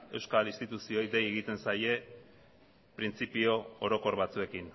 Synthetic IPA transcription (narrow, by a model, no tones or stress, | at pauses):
e̞wskalist̪it̪usio̞jd̪e̞je̞ɣit̪e̞nsaje̞ | pɾint͡sipio̞oɾo̞ko̞ɾβat͡sue̞kin